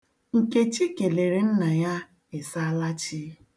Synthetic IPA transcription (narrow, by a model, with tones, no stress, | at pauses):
ŋ̩˨ke˦t͡ʃi˦ke˨le˨ɾe˨n̩˦na˨ja˦ | e˨sa˦la˦t͡ʃi˦